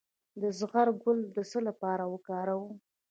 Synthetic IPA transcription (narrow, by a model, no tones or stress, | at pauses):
d̪əzɣaɾɡʊld̪əsəlapɑɾawəkɑɾawu